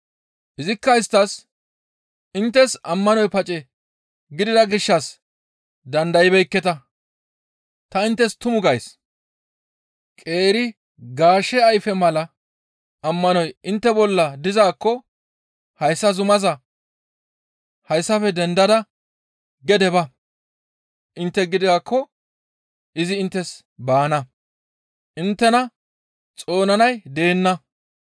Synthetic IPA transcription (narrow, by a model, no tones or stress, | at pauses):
ʔɪzɪkːɐɪst̪ːɐs | ʔɪnt̪ːɛsɐmːɐnɔjpɐt͡ʃʼɛ | ɡɪd̪ɪd̪ɐɡɪʃːɐs | d̪ɐnd̪ɐjɪbɛjkːɛt̪ɐ | t̪ɐɪnt̪ːɛst̪ʊmʊɡɐjs | kʼe̞ːɾɪ | ɡaːʃɛɐjfɛmɐlɐ | ɐmːɐnɔjɪnt̪ːɛbɔlːɐd̪ɪzaːkːɔ | hɐjsːɐzʊmɐzɐ | hɐjsːɐfɛd̪ɛnd̪ɐd̪ɐ | ɡɛd̪ɛbɐ | ʔɪnt̪ːɛɡɪd̪ɪɡakːɔ | ʔɪzɪɪnt̪ːɛs | baːnɐ | ʔɪnt̪ːɛnɐ | t͡sʼo̞ːnɐnɐjd̪e̞ːnːɐ